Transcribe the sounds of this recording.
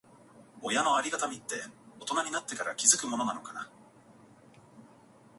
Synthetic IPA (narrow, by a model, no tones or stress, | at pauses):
o̞jano̞aɾʲiɡat̪amʲit̪ːe̞o̞t̪o̞naɲ̟inat̪ːe̞kaɾa̰kʲizɨkɯ̟mo̞no̞nano̞kana̰